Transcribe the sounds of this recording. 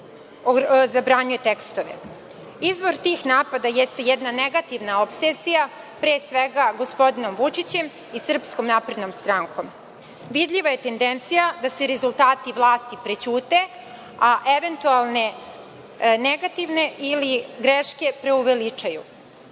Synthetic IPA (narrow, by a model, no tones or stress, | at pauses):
ozabɾaɲuje̞t̪e̞kst̪o̞ʋḛ | izʋo̞ɾt̪ixnaːpad̪ajest̪ejed̪naneɡat̪iʋnaopsesija | pɾeːsʋeɡaɡo̞spo̞d̪ino̞mʋut͡ʂit͡ɕe̞m | isr̩psko̞mnaːpɾe̞d̪nomst̪ɾaŋko̞m | ʋid̪ʎiʋaje̞t̪e̞nd̪ent̪sijad̪aseɾe̞zulˠt̪aːt̪iʋlˠaːst̪ipɾet͡ɕuːt̪e̞ | aʔeʋe̞nt̪ualˠne̞ | neɡat̪iʋne̞ʔiliɡɾeʃke̞pɾe̞uʋe̞lit͡ʂaju